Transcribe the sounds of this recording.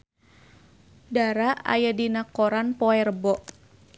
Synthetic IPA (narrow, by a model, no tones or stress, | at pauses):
daɾaa̰jadinakɔɾanpɔɛrbɔʔ